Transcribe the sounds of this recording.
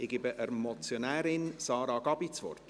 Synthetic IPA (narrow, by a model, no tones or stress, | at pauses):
ɪɡ̥ɪbəʔəɾmɔt͡sjonæːɾɪnsɑːɾɑɡ̥ɑb̥it͡sʋɔ̰rt